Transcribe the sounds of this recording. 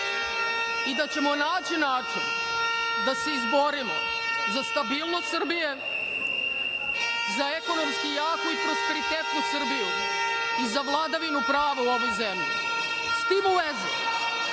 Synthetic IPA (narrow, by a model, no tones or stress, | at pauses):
id̪at͡ɕe̞mo̞naːt͡ɕinaːt͡ʂin | d̪aseizbo̞ɾimo̰ | zast̪abiːlˠnost̪sɨr̩bije̞ | zaeko̞nomskijaːkoipɾospe̞ɾit̪eːt̪nosrbiju | izaʋlˠad̪aʋinupɾaːʋauo̞ʋo̞jzemʎḭ | st̪ibuʋezu